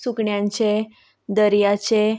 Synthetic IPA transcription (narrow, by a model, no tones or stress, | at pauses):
sukɳjãɲt͡ɕe | d̪əɾjat͡ɕe